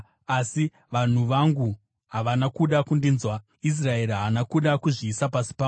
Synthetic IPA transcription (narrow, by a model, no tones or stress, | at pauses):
asi | ʋan̤uʋaŋɡu | ɦaʋanakuɗakundinzwa | is̬rae̞riɦaanakuɗakuʐiːsapasi̥pa